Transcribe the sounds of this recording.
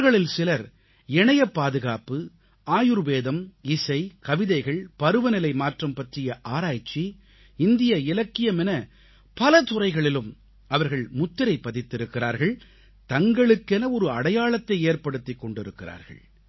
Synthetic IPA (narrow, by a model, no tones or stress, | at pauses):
ɣɐɭɪlsɪlɐɾ | ɛɳɐjɐpːaːðɯɣaːpːɯ | aːjɯɾʋeːðɐmɪsɐɪkɐʋɪðɐɪɣɐɭpɐɾɯʋɐnɪlɐɪmaːʈrɐmpɐʈrɪjɐʔaːɾaːjt͡ʃːi | ɪnd̪ɪjɐɪlɐkːɪjɐmɛnɐ | pɐlɐt̪ʊrɐɪɣɐɭɪlɯm | ɐʋɐɾɣɐɭmʊt̪ːɪɾɐɪpːɐðɪt̪ːɪɾɯkːɪɾa̰ːɾɣɐɭ | t̪ɐŋɡɐɭɯkːɛnɐɔɾɯɐɽɐjaːɭɐt̪ːɐɪeːɾpɐɽɯt̪ːɪkːɔɳɖɪɾɯkːɪra̰ːɾɣɐ̰ɭ